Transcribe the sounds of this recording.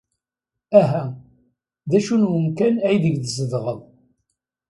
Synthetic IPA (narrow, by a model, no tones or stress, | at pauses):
æɦæ | ðæʃunwəmkænæjðəɡðəzəðʁəðˤ